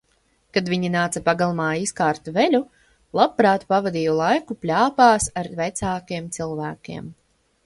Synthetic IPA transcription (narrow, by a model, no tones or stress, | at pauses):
kad̪vʲiɲinaːt̪sapaɡalˠmaːiskaːɾt̪uvelʲu | lˠabpɾaːt̪pavad̪iːjɔlˠajkuplʲaːpaːsaɾvɛt̪saːkiɛmt̪silˠvæːkʲḭɛm